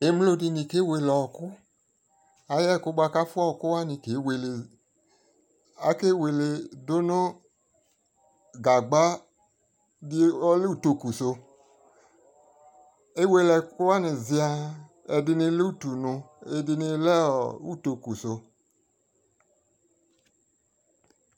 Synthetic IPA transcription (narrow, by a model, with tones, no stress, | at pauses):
e˨˦m˦lo˦˧di˧ni˨ke˨˦we˧lɔ˨kʊ˦ | a˨jɛ˦˨kʊ˦ɡ͡ba˧ka˦fu˦ɔ˦˨kʊ˦wa˦ni˧ke˨˦we˨le˨ | a˦ke˦we˨le˧do˦no˦ | ɡa˨ɡ͡ba˦ | di˦ɔ˦le˦u˦˨to˧ku˨so˧ | e˦we˧lɛ˨ku˦wa˦ni˨zi˧a˧ | ɛ˧dɪ˧ni˧˦le˦u˦˨tu˨nu˧e˧di˧ni˧lɛ˦ɔ˨u˦to˧ku˨so˧